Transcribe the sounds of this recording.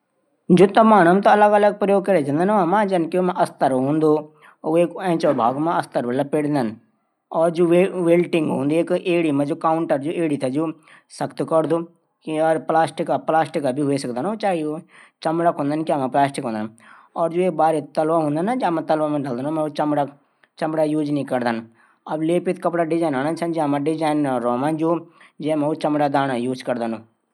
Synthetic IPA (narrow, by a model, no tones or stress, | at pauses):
d͡ʒoːt̪ɐmaːɽ̃ɐmt̪oɐləɡɐləɡ̚pɾɐjoːɡ̚kɐɾed͡ʒə̃nd̪anʋamãd͡ʒɐnkeomãʔɐst̪əɾɦõːnd̪o | oeːkɛ̃ːt͡ʃobʱa̰ːɡmãɐst̪əɾʋəlapeːɽnd̪ən | ɔːɾd͡ʒoːʋeʋeːlʈɪŋɡɦõːnd̪ieːkʔeːɽimãd͡ʒoːkaːʊɳʈəɾd͡ʒoʔeːɽit̪ʰad͡ʒoː | sɐkt̪kɐɾd̪o | kiɔːɾplaːsʈɪkaplaːsʈɪkabʱiɦʊesɐkd̪anot͡ʃaːɦiot͡ʃɐmɽakɦõːnd̪anikiamãplaːsʈɪkɦõnd̪anɔːɾd͡ʒoːeːk̚baːɾet̪ɐlʋaɦõnd̪anad͡ʒamãt̪əlʋamãɖəld̪aːnõmɛ̃ut͡ʃmɽa | t͡ʃɐmɽajuːd͡ʒnĩkɐɾd̪an | ɐbleːpɪt̪kɐpɽaɖɪd͡ʒaːjnaːnat͡ʃʰand͡ʒamãɖɪd͡ʒaːjnɾɔːmãd͡ʒoːd͡ʒɛmɛ̃ut͡ʃɐmɽad̪aːnajuːd͡ʒkɐɾd̪aːnoː